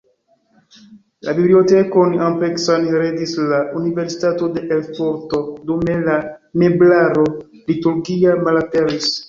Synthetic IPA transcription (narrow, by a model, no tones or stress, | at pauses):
la̰biblio̞te̞konampeksanɾedislauniveɾsi̥tato̞de̞ʔelfoɾto̞dume̞lameblaɾo̞ | lituɾɡiamalateɾis